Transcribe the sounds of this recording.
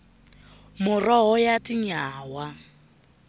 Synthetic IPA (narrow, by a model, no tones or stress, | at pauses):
mʊrɔɦɔjatʼɪɲaːwa